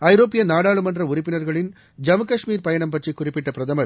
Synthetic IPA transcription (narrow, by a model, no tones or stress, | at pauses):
ɐɪɾoːpːɪjɐnaːɽaːɭɯmɐndrɐʊrɪpːɪnɐɾɣɐɭɪn | d͡ʒɐmɯkɐʂmiːɾpɐjɐɳɐmpɐʈrikːʊrɪpːɪʈːɐpɪɾɐðɐmɐ